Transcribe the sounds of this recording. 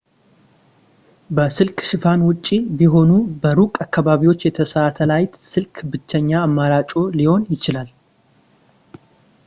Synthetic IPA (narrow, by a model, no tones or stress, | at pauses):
bəsɨlkʼʃɪfanwʊt͡ʃʼːibiɦo̞nubəɾukʼakːaβaβiwo̞t͡ʃːjɛt̪ʰəsat̪ʰəlajt̪sɨlkʰbɨt͡ʃːɛɲːaːmːaɾat͡ʃʼo̞liho̞njɪt͡ʃɪlal